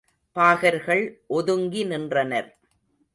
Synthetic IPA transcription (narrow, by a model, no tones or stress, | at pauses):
paːɣɐɾɣɐɭʔɔðɯŋɡinɪndrɐnɐɾ